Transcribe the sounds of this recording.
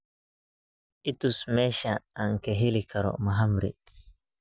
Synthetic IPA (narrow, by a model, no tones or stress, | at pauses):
ʔitusmɛʃaːŋkɛɦilikaɾɔ̰maɦamɾḭ